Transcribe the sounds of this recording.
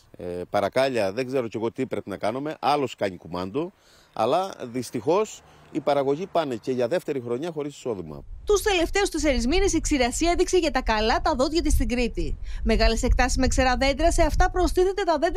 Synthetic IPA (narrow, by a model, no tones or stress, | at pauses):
epɐɾɐkɐʎɐðeŋɡze̞ɾo̞ce̞ɣo̞t̪ipɾe̞pinɐkɐnume̞ʔɐlo̞skɐɲikumɐnd̪o | ɐ̰lɐðist̪ixo̞s | ipɐɾɐɣo̞ʝipɐneceʝɐðe̞ft̪e̞ɾixɾo̞ɲɐxo̞ɾisi̥so̞ðimɐ̰t̪ust̪e̞le̞ft̪e̞ust̪iseɾizminesiksiɾɐsiɐeðikseʝɐt̪ɐkɐlɐt̪ɐðo̞t̪ʝɐt̪ist̪iŋɡɾit̪ime̞ɣɐlese̞k̚t̪ɐsizme̞kseɾɐðe̞nd̪ɾɐse̞ɐft̪ɐpɾo̞st̪iθot̪e̞t̪ɐðe̞nd̪